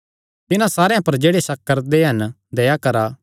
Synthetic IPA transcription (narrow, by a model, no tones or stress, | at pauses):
t̪ɪnãsaːɾejãpɐɾd͡ʒeːɽesɐkːɐɾd̪eɦɐn | d̪eːjakɐɾaː